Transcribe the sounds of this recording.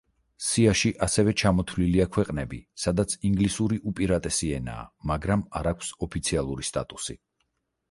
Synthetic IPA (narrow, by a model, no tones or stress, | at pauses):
siaʃiʔasɛvɛt͡ʃʰamɔt̪ʰvliliakʰwɛqʼnɛbisad̪at̪sʰiŋɡlisuɾiʔupʼiɾat̪ʼɛsiɛna̰ːmaɡɾamaɾakʷʰsɔpʰit̪sʰialˠuɾist̪ʼa̰t̪ʼusi